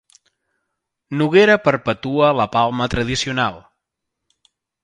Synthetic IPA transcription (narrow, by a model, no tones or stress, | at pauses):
nuɣeɾəpəɾpət̪uələpalˠmət̪ɾəð̞isiunalˠ